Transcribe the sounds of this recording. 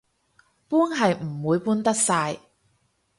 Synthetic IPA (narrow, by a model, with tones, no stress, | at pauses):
puː˥nɦɐ˨jm̩˨˩wuː˨˧jpuː˥nt̪ɐ˥k̚saː˧j